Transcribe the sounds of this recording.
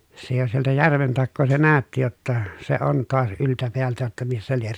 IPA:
se jo sieltæ jærʋen tɑkːoː se næˑøtːi jotːɑ se on toɑs yltæ peæltæ jotːɑ misːæ lier

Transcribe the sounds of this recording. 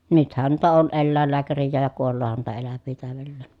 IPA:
nythæn nuitɑ on elːæˑelːæːkærijːæːj jɑ kuolːoːhɑn nuitɑ elæʋːiː tæˑøʋelːeˑn

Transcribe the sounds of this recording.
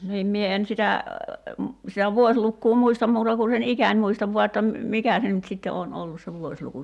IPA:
niːm mie en sitæ sitæ ʋuosʲlukːuː muistɑm muːtɑ ku sen ikænʲ muistɑʋ ʋuɑ etːæ m̩ mikæ se nyt sitːe oːn olːus se ʋuosʲluku

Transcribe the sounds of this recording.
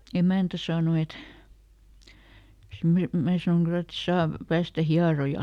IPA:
emæˑntæ sɑːno et sim mæː sɑnoŋ kylæ et sɑːʋ pæːstæ hiɑrojɑl

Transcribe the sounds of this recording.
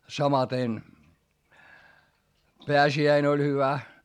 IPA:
sɑmɑten peæsiæin olʲ hyʋæ

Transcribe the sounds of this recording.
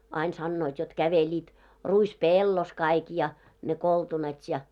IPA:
ɑin sɑnːoit jot kæʋelʲiːt ruispeˑlːos kɑik jɑ ne koltunɑt jɑ

